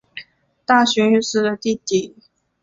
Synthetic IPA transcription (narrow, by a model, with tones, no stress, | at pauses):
t̪a˥˩ɕy˧˥ny˥˧ʂɻ̩˥˩d̪ə˨t̪i˥˧t̪i˨˩˦